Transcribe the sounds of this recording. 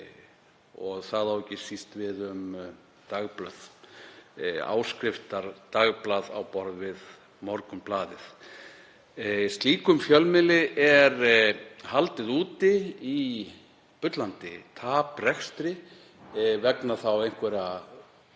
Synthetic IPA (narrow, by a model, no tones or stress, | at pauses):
ɔɣθaðawɛcːɪsist̪vɪðʏm | t̪aɣplœθ | a̰ːwskɾɪft̪aɾt̪aɣplaða̰wpɔɾðvɪð | mɔɾkʏmplaːðɪθ | st̪liːkʏmfjœlmɪlɪʔɛɾhalt̪ɪðuːt̪ɪi | pʏt̪lant̪ɪt̪ʰaːprɛxst̪ɾɪ | vɛknaθawejnkʰvɛɾa